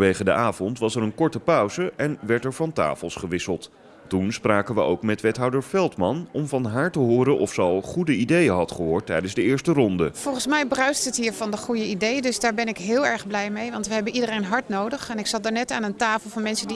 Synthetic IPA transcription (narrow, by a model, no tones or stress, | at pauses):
ʋejχədəʔaːvɔntʋɑsɛɹənkɔɹtəpœɥzəʔɛnʋɛɹtɛɹvɑnta̰ːfəlˠsχəʋɪsəlˠt | tunspraːkənʋə̰o̰wkmɛtʋɛtɦɔwdəɹfɛlˠtmɑnɔmvɑnɦaːɹtəɦʊːɾənʔɔfsəɑlˠχudəidejənɦɑtχəɦʊːɹtːɛjdənzdəɪːɹstərɔndəv̥ɔlˠχənsmɛjbrœɥstətɦiːɹvɑndəχujəidejdɵsdaːɹbɛnɪkɦɪːlˠɛɹχblɛjmejʋɑntʋəɦɛbənʔidərejnɦɑɹtnowdəχɛnɪksɑt̚daːɹnɛtaːnəntaːfəlˠvɑnmɛnsədi